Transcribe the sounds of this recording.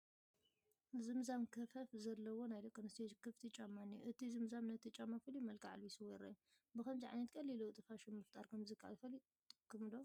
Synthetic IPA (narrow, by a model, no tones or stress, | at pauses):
zɨmzamkʰɐfɐfzɐlːɐwonajd̪ɐkʰːonɐst̪ʰekʰɨft̪ʰit͡ʃʼamːanːiʔɨt̪ʰizɨmzamnɐt̪ʰit͡ʃʼamafɨlimɐlkʰaʕa̰lβisuwɔɾɐ̰ | bɨkɐmziʕa̰jnɐt̪̚kʼɐlːilut̪ʼɨfaʃimɨft̪ʼaɾkʰɐmzɨkʰːaʔa̰fɐli | kʰːɨmlo